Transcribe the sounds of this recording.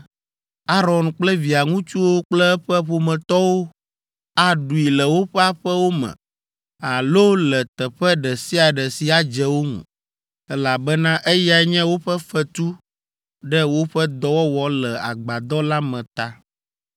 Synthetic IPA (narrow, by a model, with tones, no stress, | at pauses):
a˦ɾɔ˨nk͡plɛ˦vi˨a˨ŋũ˦t͡ʃu˦wo˦k͡plɛ˦ɛ˦ɸɛ˦ɸo˨mɛ̃˨t̪ɔ˦wo˦ | a˦ɖu˨i˨lɛ˨wo˦ɸɛ˦a˦ɸɛ˦wo˦mɛ̰̃˨ | a˨lo˦lɛ˨t̪ɛ˨ɸɛ˦ɖɛ˨si˦a˨ɖɛ˨si˨a˨d͡ʒɛ˨wo˦ŋṵ̃˨ | ɛ˦la˨bɛ˦nã˦ʔe˦ja˨ɲɛ̃˦wo˦ɸɛ˦fɛ˦t̪u˦ | ɖɛ˦wo˦ɸɛ˦d̪ɔ˦wɔ˦wɔ˨lɛ˨a̰˨ɡ͡ba˨d̪ɔ˦la˦mɛ̃˨t̪a˦